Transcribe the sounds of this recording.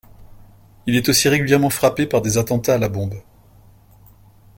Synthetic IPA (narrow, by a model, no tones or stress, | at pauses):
ilɛt̪osiʁeɡʲyljɛʁmɑ̃fχapepaʁd̪ezat̪ɑ̃t̪aːlabɔ̃b